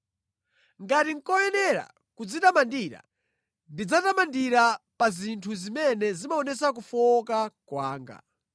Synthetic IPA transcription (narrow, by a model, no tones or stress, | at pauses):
ŋɡatiŋ̩kɔjɛnɛɾa̰ | kud͡zitamandiɾa̰ | ndid͡zatamandiɾapazintʰuzimɛnɛzimaɔnɛsak̬ufɔkakwaːŋɡa̰